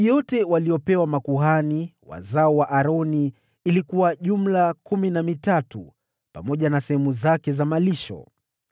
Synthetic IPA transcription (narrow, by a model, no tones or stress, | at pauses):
jɔtɛwaliɔpɛwamakuɦaniwa̰zaɔwaʔaɾɔni | ilikuwaʄum̩lakuminamitatu | pamɔʄanasɛhɛmuzakɛzamaliʃɔ̰